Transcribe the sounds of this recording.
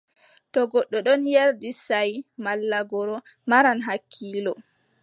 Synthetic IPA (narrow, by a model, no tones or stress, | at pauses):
tɔɡɔɗːɔɗɔnjaɾdisajmalːaɡɔɾɔ | maɾanɦakʰːiːlɔ